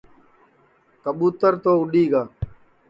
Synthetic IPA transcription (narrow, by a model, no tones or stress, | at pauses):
kəɓuːt̪əɾt̪oːʊɗiːɡaː